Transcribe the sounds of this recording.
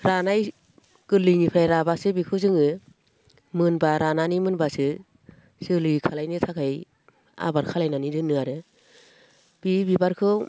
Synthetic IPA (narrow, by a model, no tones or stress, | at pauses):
ɾanaj | kɯlɯnipʰɾajɾabasɯbikʰɯzɯŋɯ | mɯnbaɾananimɯnbasɯ | sɯlɯkʰalajnɯtʰakʰaj | a̰baɾkʰalajnanidɯnɯaɾɯ | b̥ibibaɾkʰɯw